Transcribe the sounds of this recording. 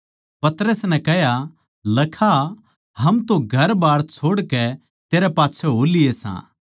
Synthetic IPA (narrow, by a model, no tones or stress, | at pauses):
pɐt̪ɾəsnɛ̃kɛɦja | lɐkʰa | ɦɐmt̪oɡʱɐɾbaːɽt͡ʃʰoːɽkɛ | t̪eːɾɛpaːtːt͡ʃʰɛɦoːlɪjesã̰ː